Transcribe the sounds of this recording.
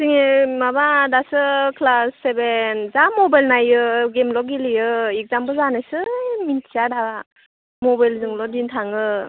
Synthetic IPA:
siŋemabadasɯkʰlasːebenzamɔbajlnajɯɡemlɔɡilijɯik̚zambɯzanajsɯmintʰijadaba | mɔbajlzɯŋlɔdintʰaŋɯ

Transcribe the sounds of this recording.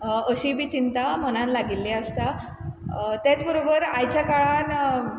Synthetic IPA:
əɕibʱiːt͡ɕint̪amənãnlaɡilːeəst̪a | t̪jat͡sbəɾobəɾajt͡ɕjakaɭan

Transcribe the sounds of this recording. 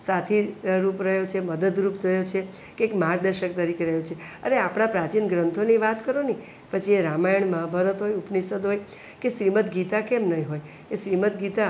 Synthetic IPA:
sat̪ʰiɾupɾəɦjot͡ʃʰeməd̪əd̪ɾupt̪ʰəɦjot͡ʃʰe | keekmaɾd̪əɾʃək̚t̪əɾikeɾəɦjot͡ʃʰe | əneapɽ̃apɾat͡ʃinɡɾənt̪ʰoniʋat̪kəɾoni | pət͡ʃʰieɾamajəɳməɦabʱəɾət̪ɦojupnisəd̪ɦoj | keʃɾimət̪ɡit̪akemnəĩɦoj | keʃɾimət̪ɡit̪a

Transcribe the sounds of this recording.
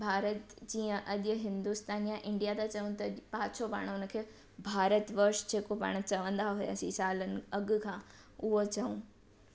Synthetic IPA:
bʱaːɾət̪d͡ʑiːə̃ʔɐʄɦɪ̃nd̪ust̪aːnjaʔɪ̃ɳɖijat̪at͡ɕɐũt̪ɐpaːt͡ɕʰopa̰ːɽ̃ʊnə̆kʰeː | bʱaːɾət̪ʋəɾʃd͡ʑeːkopa̰ːɽ̃t͡ɕɐʋə̃nd̪aɦʊja̰ːsisaːlənɪ̆ɐɡʊkʰãː | ʊɦot͡ɕɐũː

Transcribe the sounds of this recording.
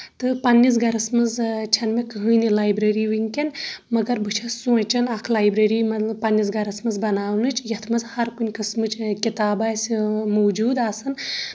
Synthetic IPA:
t̪ɨpɐnʲːis̬ɡɐɾɐsmɨzt͡ʃʰɐnmekɨɦɨːnilaːjbɾɐɾiʋɨŋʲkɐnmɐɡɐɾbɨt͡ʃʰɐsut͡ʃɐnɐkʰlaːjbɾɐɾiːmɐt̪lɐpɐnʲːisɡɐɾɐsmɨzbɐnaːwnɨt͡ʃʰjɐt̪ʰmɐzhɐɾkunʲkɐsmɨt͡ʃʰkʲit̪aːbaːjsʲimowd͡ʒuːd̪aːsɨn

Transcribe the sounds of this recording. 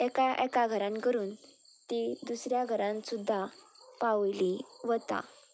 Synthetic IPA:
ɛkaʔɛkaɡʱəɾãnkəɾuːn | t̪id̪usɾjaɡʱəɾãnsud̪ʱːa | paʋliʋət̪ã̰

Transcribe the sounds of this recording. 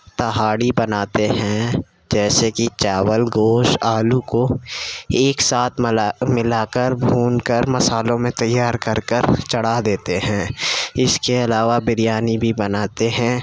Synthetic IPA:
t̪ɐɦaːɽibɐnaːt̪eɦɛ̃ | d͡ʒɛːsekit͡ʃaːʋəlɡoːʃaːluko | eːksaːt̪ʰmɪlaːkəɾbʱuːnkəɾmɐsaːlõmẽt̪ɐjːaːɾkɐɾkəɾt͡ʃɐɽad̪eːt̪eɦɛ̃ːɪskeɐlaːʋabɪɾijaːnibʱibɐnaːt̪eɦɛ̃ː

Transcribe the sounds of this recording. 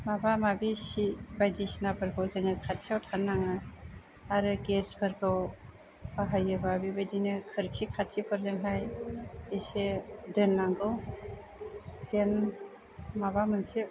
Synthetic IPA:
mabamabisibajdisnabʰɯɾɡʰawzɯŋɯkʰat̚sawtʰanːaŋa | aɾɯɡesbʰɯɾɡaw | aɦajɯbabibajdinɯkʰɯɾkʰikʰat̚sipʰɯɾzɯŋɦajesedɯnːaŋɡɯw | sen | mabamɯnse

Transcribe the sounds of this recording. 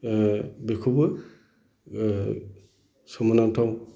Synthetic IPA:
bekʰubɯ | sɔmɔnantʰaw

